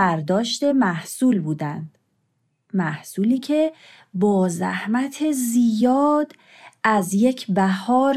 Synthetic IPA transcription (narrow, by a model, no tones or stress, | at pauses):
æɾd̪ɒːʃt̪e̞mæhsuːlbuːd̪ænd̪̥ | mæhsuːliːcʰe̞ | bɒːzæ̰hmæt̪ʰe̞zijɒːd̪̥ | ʔæzje̞cʰbæhɒːɾ